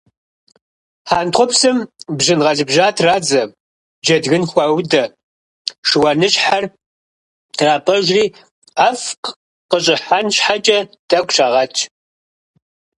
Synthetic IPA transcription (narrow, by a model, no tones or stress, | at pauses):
ħaːntχʷʊpsɨmbʑɪnʁɐɮɪbʒaːtʰraːd͡zɐ | d͡ʒɐdɣɨnxʷɐwdɐ | ʂɨwɐnɨɕħar | tʰraːpʼɐʒʷriː | aːfq | qəɕʼɪħanɕħat͡ʃʼɐtʰʼɐkʷʼʃaːʁɐt͡ʃʰ